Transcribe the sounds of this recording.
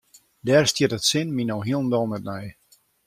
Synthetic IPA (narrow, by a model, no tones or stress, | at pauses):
dɛːrstjɪtətsɪnminowɦiəlˠən̩dɔlˠmɛt̚mɛj